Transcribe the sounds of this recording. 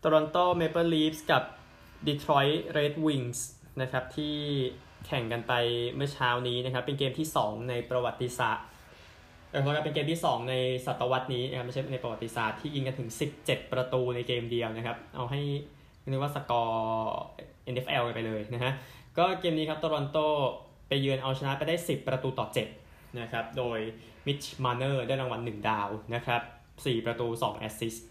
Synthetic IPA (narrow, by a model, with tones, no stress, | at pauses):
t̪ɔ˧ɾo˧nt̪oː˥˩me˦˧˥pɤː˥˩liː˦˥p̚ska˨˩p̚ | di˧˩t̪ʰɾɔ˦˥jɾeː˦˥t̪̚wi˧ŋs | na˦˥kʰa˦˥p̚t̪ʰiː˥˩ | kʰɛ˨˩ŋka˧npa˧jmɯ˥˩ɐt͡ɕʰaː˦˥wniː˦˥na˦˥kʰa˦˥pːe˧nkeː˧mt̪ʰiː˥˩sɔː˩˦ŋna˧jpɾa˧wa˨˩t̪ːi˧sa̰ː˨˩t̚ | a˧˩kʰo˦˥a˦˥˩pe˧nkeː˧mt̪ʰiː˥˩sɔː˩˦ŋna˧jsa˨˩t̪ːa˧wa˦˥t̪̚niː˦˥na˦˥kʰa˦pm˥˩t͡ɕa˥˩˧na˧jpɾa˧wa˨˩t̪ːi˧sa̰ː˨˩t̪ʰːiː˥˩ji˧nka˧nt̪ʰɯ˩˦ŋsi˨˩p̚t͡ɕe˨˩t̪̚pɾa˧t̪uː˧na˧jkeː˧mdi˧əwna˦˥kʰa˦˥p̚ʔa̰˧wɦa˥˩j | m˥˩ɯ˦˥waː˥˩sa˧˩kɔː˧ | ʔe˧nʔe˦˥fʔɛː˧wka˧npa˧jlɤː˧jna˦˥kʰa˦˥ʔkɔː˥˩keː˧mniː˦˥kʰa˦˥p̚t̪a˧ɾo˧nt̪oː˥˩ | pa˧jːɯː˧nʔa˧wt͡ɕʰa˧na˦˥pa˧jdaː˥˩jsi˨˩pːɾa˧t̪uː˧t̪ɔː˨˩t͡ɕe˨˩t̪̚ | na˦˥kʰɾa˦˥p̚doː˧j | mi˦˥t̪̚t͡ɕʰmaː˧nɤː˥˩da˥˩ɾa˧ŋwa˧nːɯ˨˩ŋdaː˧wna˦˥kʰɾa˦˥p̚ | siː˨˩pɾa˧t̪uː˧sɔ̰ː˩˦ŋʔɛ̰˦˥si˦˥s